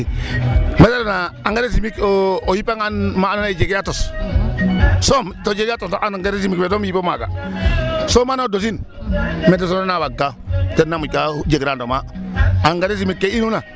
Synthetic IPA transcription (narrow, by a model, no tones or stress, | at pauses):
metaɾonaaŋɡaɾesimikoojipaŋanmanonad͡ʒeɡjatos | somtod͡ʒeɡatosʔanŋɡaɾes̬imikfetomjipomaɡa̰ | somanodos̬in | medes̬onnabaɡatenamukad͡ʒeɡɾandomaaŋɡaɾes̬imikːeinuna